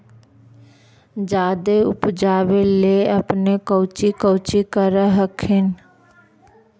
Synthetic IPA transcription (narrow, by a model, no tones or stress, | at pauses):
d͡ʒaːd̪eʊpd͡ʒaːbeleəpnekəʊt͡ʃikəʊt͡ʃikəɾəɦəkʰɪn